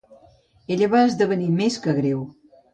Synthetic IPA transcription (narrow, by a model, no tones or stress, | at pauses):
eʎəβaəzðəβənimeskəɣɾew